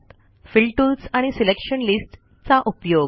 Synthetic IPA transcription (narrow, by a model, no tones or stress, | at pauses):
t̪ | filʈulsaɽ̃isilekʂənlisʈ | t͡saʔupjoɡ